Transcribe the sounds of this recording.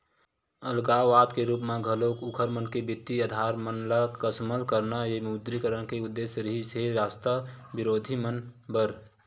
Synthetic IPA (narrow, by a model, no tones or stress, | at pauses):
əlɡaːʋaːd̪keɾuːpmẽɡʱəloːkʊkʰəɾmənkebɪt̪ːiəd̪ʱaːɾmənlakəsməlkəɾnajemud̪ɾikəɾənkeʊd̪ːeːsɾiɦiseɾaːst̪abɪɾoːd̪ʱimənbəɾ